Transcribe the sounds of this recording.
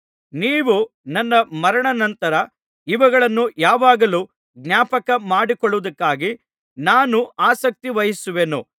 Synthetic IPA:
niːʋu | nɐnːɐmɐɾɐɳɐnɐnt̪ɐɾɐ | iʋɐɡɐɭɐnːujaːʋaːɡɐluː | ɡnjaːpɐkɐmaːɽikɔɭːuʋud̪ɐkːaːɡi | naːnuaːsɐk̚t̪iʋɐjisuʋenṵ

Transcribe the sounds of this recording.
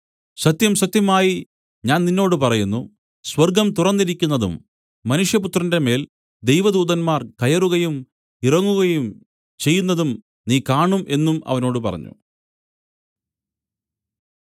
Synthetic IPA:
sɐt̪jɐmsɐt̪jɐmaːji | ɲaːnninːo̞ːɽɨpɐrɐjunːu | swɐrɡɐmt̪urɐnːiɾikʲːunːɐðṵmː | ɐnuʂjɐput̪rɐnde̞me̞ːl | d̪e̞jʋɐd̪uːðɐnmaːrkɐjɐruɣɐjum | irɐŋːuɣɐjum | t͡ɕe̞jːun̪ːɐðum | niːkaːɳumʔe̞nːumɐ̰ʋɐno̞ːɽɨpɐ̰rɐ̰ɲːṵ

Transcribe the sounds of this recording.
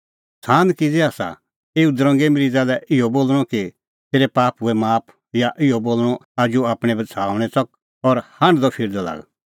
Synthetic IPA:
sʰaːnkid͡zeaːsa̰ | eud̪ɾɔ̃ŋɡemɾiːd͡zalɛʔɪoboːlɽ̃ɔki | t̪eːɾepaːpʊɛmaːpʰ | jaʔɪoboːlɽ̃ɔad͡ʒuaːpɽ̃ɛ̃bɐt͡sʰaːʊɽ̃ɛt͡sɐk̚ | ɔɾhãɳɖd̪ɔpʰɪɾd̪ɔla̰ːɡ

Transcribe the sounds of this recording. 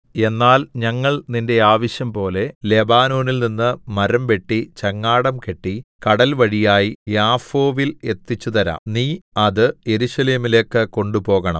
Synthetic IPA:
e̞nːaːlɲɐŋːɐɭninde̞aːʋɐɕjɐmpo̞ːle̞le̞baːnoːnilninːɨmɐɾɐmpe̞ʈːit͡ɕɐŋːaːɽɐmke̞ʈːikɐɽɐlʋɐɻijaːjijaːfo̞ːʋile̞t̪ːit͡ɕːut̪ɐɾa̰ːmniːɐðɨje̞ɾuɕɐle̞ːmile̞ːkːɨko̞ɳɖupo̞ːɣɐɳɐ̰m

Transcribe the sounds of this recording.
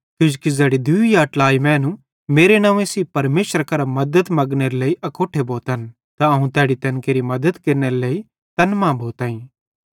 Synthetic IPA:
t̪ʊd͡ʒkizɛːɽid̪uijaʈlaːimɛ̃ːnũ | meːɾenãːʋẽsipɐɾmeːʃəɾkɐɾamɐd̪ət̪mɐɡneɾeleːiʔɐkoːʈʰeboːt̪ɦɐn | t̪aɐɦũt̪ɛːɽit̪ɐnkeːɾimɐd̪əd̪keɾneɾileːi | t̪ɐnmãbʱoːt̪ɐːĩː

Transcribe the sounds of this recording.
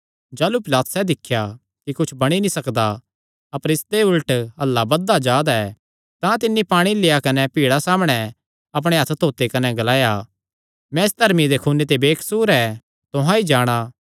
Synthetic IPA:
d͡ʒaːlupɪlaːt̪sɛd̪ɪkʰːja | kikʊt͡ʃʰbɐɽ̃inĩsɐkd̪a | ɐpəɾɪst̪eʊlʈɐlːabɐd̪ːad͡ʒaːd̪aɛ | t̪ãt̪ɪnːipaːɽ̃ileːjakɐnɛpiːɽasaːmɽ̃ɛ | ɐp̬ɽ̃eɦɐt̪ʰt̪ʰoːt̪ekɐnɛɡɐlaːja | mɛ̃ɪsd̪ʱɐɾmid̪ekʰuːnːet̪̬ebeːkʰsuːɾɛ | t̪ʊɦãid͡ʒaːɽ̃aː

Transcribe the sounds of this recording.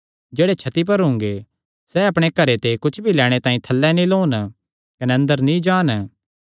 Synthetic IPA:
d͡ʒeːɽet͡ʃʰɐt̪ip̬ɐɾɦʊ̃ŋɡe | sɛɐpɽ̃ekɐɾet̪ekʊt͡ʃʰbʱilɛːɽ̃et̪ãːĩt̪ʰɐlːɛnĩloːn | kɐneɐ̃nd̪əɾnĩd͡ʒaːn

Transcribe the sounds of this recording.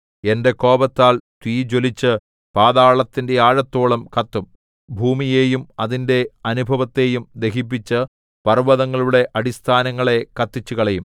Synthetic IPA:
e̞nde̞ko̞ːbɐt̪ːaːlt̪wiːd͡ʑo̞lit͡ɕːɨ | paːðaːɭɐt̪ːinde̞aːɻɐt̪ːoːɭɐmkɐt̪ːum | bʱuːmijeːjumɐðinde̞ɐnubʱɐʋɐt̪ːe̞ːjumd̪e̞ɦip̬ːit͡ɕːɨ | pɐrʋɐðɐŋːɐɭuɽe̞ʔɐɽist̪ʰaːnɐŋːɐɭe̞kɐt̪ːit͡ɕːukɐɭejum

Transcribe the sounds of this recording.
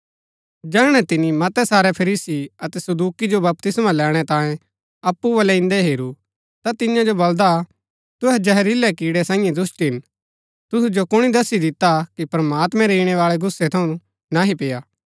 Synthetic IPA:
d͡ʒɛːɽ̃ɛt̪ɪnimɐt̪ɛsaːɾɛpʰɐɾiːsiɐt̪ɛsɐd̪uːkid͡ʒobɐp̚t̪ɪsmãlɛːɽ̃ɛt̪ãːẽ | ɐpːubɐlɛɪ̃nd̪ɛɦeːɾu | t̪at̪ɪjãd͡ʒobɐld̪a | t̪ʊɦɛd͡ʒɐɦɛɾilɛkiːɽɛsãːjẽd̪ʊsʈiɦɪn | t̪ʊsud͡ʒokʊɽ̃id̪ɐsid̪ɪt̪akipɾɐmaːt̪mɛ̃ɾeːɽ̃ɛʋaːɭɛɡʊsːɛt̪ʰɐũ | naɦipeːjaː

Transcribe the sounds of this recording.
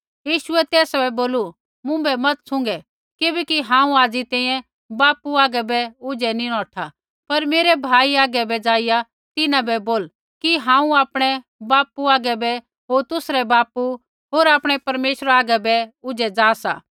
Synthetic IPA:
jiːʃʊɛt̪ɛːsabɛboːlu | mʊ̃bɛmɐt̪sʊ̃ŋɡɛ | kɪbɛkiɦãːũaːd͡zit̪ɛ̃ːĩjɛ̃ | baːpuaːɡɛbɛʊd͡ʒɛniɽ̃ɔ̃ːʈʰa | pɐɾmeːɾɛbʱaːiaːɡɛbɛd͡zaːɪja | t̪ɪnãbɛboːl | kiɦãːũaːpɽ̃ɛ | baːpuaːɡɛbɛ | ɦoːɾt̪ʊsɾɛbaːpu | ɦoːɾaːpɽ̃ɛpɐɾmeːʃɾaːɡɛbɛʊd͡ʒɛd͡zaːsa̰ː

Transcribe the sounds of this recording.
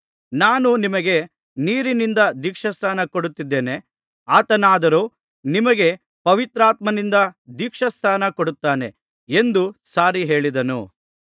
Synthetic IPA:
naːnunimɐɡe̞ | niːɾinind̪ɐd̪ikʂɐst̪ʰaːnɐkoɽut̪ːid̪ːe̞ːne̞ | aːt̪ɐnaːd̪ɐɾu | nimɐɡe | pɐʋit̪ɾaːt̪mɐnind̪ɐd̪ikʂɐst̪ʰaːnɐkoɽut̪ːaːne̞ | end̪usaːɾiɦe̞ːɭid̪ɐnṵ

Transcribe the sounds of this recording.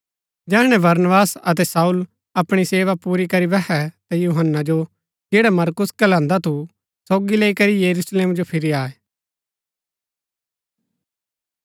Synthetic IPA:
d͡ʒɛːɽ̃ɛ̃bɐɾnəbaːsɐt̪̬ɛsaːul | ɐpɽ̃iseːʋapuːɾikɐɾibɛɦɛt̪ajuɦənːad͡ʒo | d͡ʒeːɽamɐɾkʊskɐlãːnd̪at̪ʰu | soːɡileːikɐɾijɐɾusleːmd͡ʒopʰɪɾiaːɛ

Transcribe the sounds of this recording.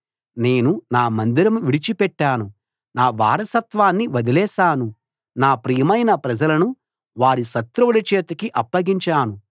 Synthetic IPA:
ne̞ːnunaːmɐnd̪iɾɐmʋiɽit͡ʃipɛʈːaːnu | naːʋa̰ːɾɐsɐt̪ʋaːnːiʋɐd̪ilɛːʃaːnu | naːpɾijɐmɐjnɐpɾɐd͡ʒɐlɐnu | ʋaːɾiʃɐt̪ɾɐlɐt͡ʃeːt̪ɐkiʔɐpːɐɡiɲt͡ʃaːnu

